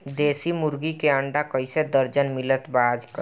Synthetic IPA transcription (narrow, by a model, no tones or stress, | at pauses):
d̪eːsimʊɾɡikeəɳɖakəised̪əɾd͡ʒənmɪlət̪baːd͡ʒkə